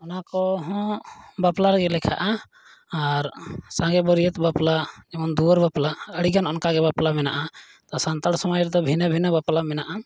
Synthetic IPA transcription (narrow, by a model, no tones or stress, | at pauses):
ɔnakɔɦɔ̃baplaɾɡɛlɛkʰa̰ʔaː | ɾsãɡɛbɔɾijət̪baplad͡ʒɛmand̪uɔɾbaplaəɽiɡanɔnkaɡɛbaplamɛna̰ʔa | t̪ɔsant̪aɽsɔmɔjɾɛd̪ɔbʱinabʱinabaplamɛnaʔa